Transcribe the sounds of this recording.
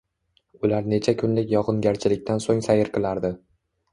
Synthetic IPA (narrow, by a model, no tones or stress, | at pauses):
ʊlaɾne̞t͡ʃʰakʲʰʊnlɪkʲjɒqʰɨnɡʲaɾt͡ʃʰɪlɪk̚ʲt̪ansoŋsajɪɾqʰɨlˠaɾd̪ɪ